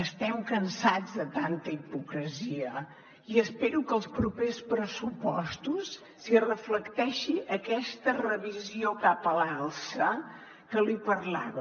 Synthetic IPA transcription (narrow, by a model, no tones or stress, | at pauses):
əst̪ɛmkənsad͡zðət̪ant̪əipukɾəziə | iəspeɾukəlˠspɾupespɾəsupɔst̪usː | irəfləkt̪ɛʃiʔəkɛst̪ərəβiziokapəlaalˠsə | kəlipəɾla̰βə